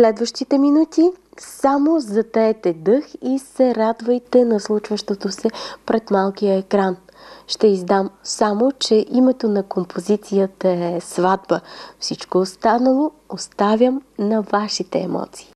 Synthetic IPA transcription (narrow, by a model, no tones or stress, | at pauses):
slɛd̪vəʃt̪it̪ɛminut̪isamozɐt̪əɛt̪ɛd̪ɤxisɛɾad̪vəjt̪ɛnɐslˠut͡ʃvəʃt̪ot̪osɛpɾɛt̪malˠkijəɛkɾanʃt̪ɛizd̪amsamot͡ʃɛʔimɛt̪onɐkompʰozit̪sijət̪əɛɛsvad̪bəfsit͡ʃkoːst̪anəlˠo | ost̪avʲəmnɐvaʃit̪ɛːmɔ̰t̪si̥ː